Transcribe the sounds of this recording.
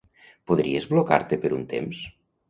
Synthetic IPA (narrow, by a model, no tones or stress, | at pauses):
poðɾiezβloka̰ɾt̪epeɾunt̪ḛms